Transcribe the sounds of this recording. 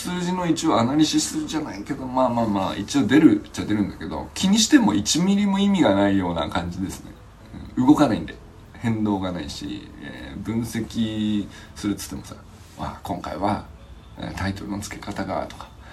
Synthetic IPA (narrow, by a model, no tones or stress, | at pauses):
sɨːʑino̞it͡ɕioanaɾʲiɕisɨɾɯ̟ʑanaike̞d̪o̞maːmaːma̰ːit͡ɕio̞d̪e̞ɾɯ̟t͡ɕad̪e̞ɾɯ̟̃nd̪aked̪o̞̰kʲʰiɲ̟iɕi̥t̪e̞mo̞̰it͡ɕimʲiɾʲimoimʲiɡanaijo̞ːna̰kãɲ̟d͡ʑid̪e̞sɨne̞̰ | ɯ̟̰̃ɴɯɡo̞kanaḭ̃nd̪e̞ | hẽ̞nd̪o̞ːɡanaiɕḭḛbɯ̟̃ɰ̃se̞kʲi | sɨɾɯ̟t̪o̥t̪ːe̞mosa̰ | βa̰ːkõ̞ŋka̰iβ̞a | ḛt̪ait̪o̞ɾɯ̟no̞t͡sɨ̥ke̞̥kat̪aɡa̰t̪o̞̥kḁ